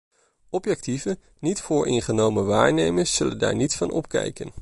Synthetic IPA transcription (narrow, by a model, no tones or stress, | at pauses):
ɔpjɛk̚tivə | nitfʊːɹʔɪnχənowməʋaːɹnejməɹsːɵlənda̰ːɹnitfɑnɔp̚kɛ̰jkən